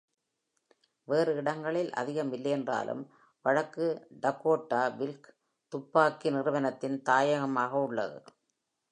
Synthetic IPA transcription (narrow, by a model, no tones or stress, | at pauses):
ʋeːrɯɪɽɐŋɡɐɭɪlʔɐ̰ðɪɣɐmɪlːɐjɛndra̰ːlʔɯ̰m | ʋɐɻɐkːɯɖɐkːoːʈːaːʋɪlk | t̪ʊpːaːkːinɪrɯʋɐnɐt̪ːɪnt̪aːjɐɣɐmaːɣɐʊɭːɐ̰ðɯ̰